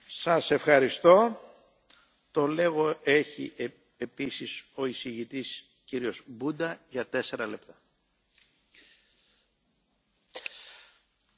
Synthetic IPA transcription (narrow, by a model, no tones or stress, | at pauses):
sɐse̞fxɐɾist̪o̞ | t̪o̞le̞ɣo̞e̞çi | episiso̞isiʝit̪is | ciɾio̞zbud̪ɐʝɐt̪e̞se̞ɾɐle̞pt̪ɐ̥